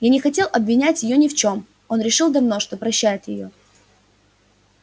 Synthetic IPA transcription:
janʲɪxɐtʲe̞lˠɐbvʲɪnʲætʲjɪjonʲɪft͡ɕo̞m | o̞nɾʲɪʂɨlˠd̪ɐvno̞ʂt̪o̞pɾɐɕːæjɪt̪jɪjo̞

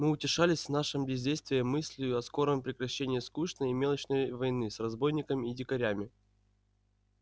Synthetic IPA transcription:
mɨʊtʲɪʂalʲɪsʲvn̪aʂɨmbʲɪzʲdʲejst̪vʲɪjəmɨsʲlʲɪjʊɐsko̞ɾəmpɾʲɪkɾɐɕːenʲɪjəskuʂnəjɪmʲe̞lˠət͡ɕnəjvɐjnɨsrɐzbo̞jnʲɪkəmʲidʲɪkɐɾʲæmʲɪ

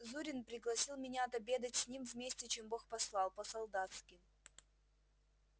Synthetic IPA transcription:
zuɾʲɪnpɾʲɪɡlˠɐsʲilˠmʲɪnʲaːt̪ɐbʲe̞d̪ətʲsʲnʲimvmʲesʲtʲɪt͡ɕembo̞xpɐslˠɑlˠpəsɐlˠd̪at̪skʲɪ

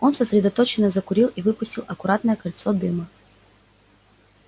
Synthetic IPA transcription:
ɔnsɐsʲɾʲɛd̪ɐt̪ɔt͡ʃɪnːɐzɐkʊɾʲilˠivɨpʊsʲtʲilˠɐkʊɾat̪nɐjɛkɐlʲt̪sɔd̪ɪmɐ

